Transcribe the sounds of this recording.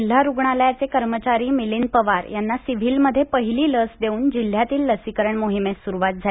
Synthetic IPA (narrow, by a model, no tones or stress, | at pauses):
l̤jaɾuɡɳaljat͡sekəɾmət͡ɕaɾiːmilinpəʋaɾjanːasiʋ̤ilməd̪ʱjepəɦiliːləsd̪euːnd͡ʑil̤ːjat̪iːlːəsikəɾəɳmoɦimesuɾuʋat̪̚d͡zʱa